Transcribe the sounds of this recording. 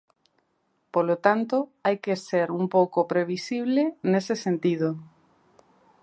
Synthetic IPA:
polot̪ant̪oajkeseɾumpowkopɾeβ̞isiβlenesesent̪iðo

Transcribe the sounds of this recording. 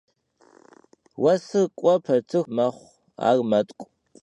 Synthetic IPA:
wɐsɨkʷʼɔpʰɐrtʰɨxmɐχʷ | a̰ːrmɐtʼkʷʼ

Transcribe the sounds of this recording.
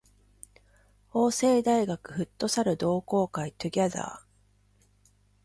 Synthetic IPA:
o̞ːse̞ːd̪aiɡakɯ̟ɸɯ̟t̪ːo̞saɾɯ̟d̪o̞ːko̞ːkait̪ɯ̟ɡʲaza̰ː

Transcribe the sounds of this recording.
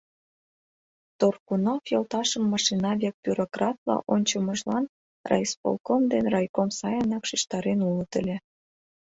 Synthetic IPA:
t̪orkunofjɤlt̪ɑʃəmːɑʃinɑβʲek̚pʲyɾokrɑt̪lɑ̰ʔonʲt͡ɕəməʒlɑn | rʔɑ̰jspo̰lˠkomd̪enrɑjkomsɑjənɑkʃiʃt̪ɑɾenulət̪ə̆lʲe

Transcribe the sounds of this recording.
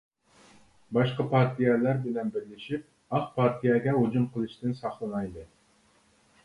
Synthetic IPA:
bɑʃqɑpʰɑɾt̪ʰijɛlæɾbɪlɛnbɪɾlɪʃip̚ | ɑχpʰɑɾt̪ʰijɛɡʲɛɦud͡ʒumqʰəlˠɨʃt̪ɨnsɑχlˠɨnɑjd̪ɨ

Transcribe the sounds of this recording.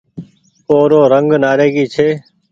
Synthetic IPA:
oːɾoːɾəŋɡnaːɾeːɡiːt͡ʃʰeː

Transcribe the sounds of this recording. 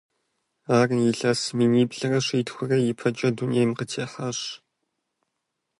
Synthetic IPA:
aːrnjɪɮɐsmiːniːbɮɐrɐɕiːtxʷʊrɐjɪpʰɐt͡ʃʼɐdunijejmqətʰeːħɐɕ

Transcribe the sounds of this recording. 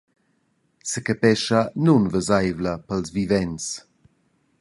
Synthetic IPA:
səkəpɛʃanunvəzajvləpəlzvivɛns

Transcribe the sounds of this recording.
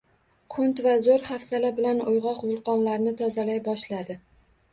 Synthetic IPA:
qʰʊnt̪vazoɾhafsalabɪlanojʁɒqvʊlˠqʰɒnlaɾnɪt̪ʰɒzalajbɒʃlad̪ɪ

